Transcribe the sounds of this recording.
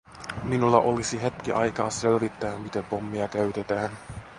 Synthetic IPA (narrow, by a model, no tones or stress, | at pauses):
minulːɑʔo̞lisiɦet̪k̟iʔɑjkɑːselʋit̪ːæːmmit̪epomːiɑkæɥt̪et̪æːn